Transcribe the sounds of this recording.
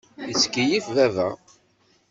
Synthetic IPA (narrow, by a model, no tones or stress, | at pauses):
əskijifðævæ̰